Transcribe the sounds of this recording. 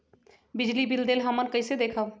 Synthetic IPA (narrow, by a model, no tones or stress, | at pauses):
bid͡ʒlibild̪elɦəmənkəɪsed̪ekʰəb